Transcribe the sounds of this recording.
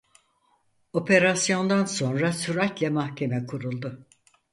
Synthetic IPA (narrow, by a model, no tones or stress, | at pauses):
o̞pʰe̞ɾasjo̞nd̪anso̞nɾasyɾatʲlʲɛmahcʰe̞mɛkʰuɾulˠd̪ʊ